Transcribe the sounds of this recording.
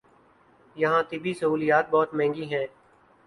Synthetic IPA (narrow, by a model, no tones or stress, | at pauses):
jɐɦãːt̪ɪbʱisɐɦuːlijaːt̪̚bɔːt̪mɛ̃ːŋɡiɦɛ̃ː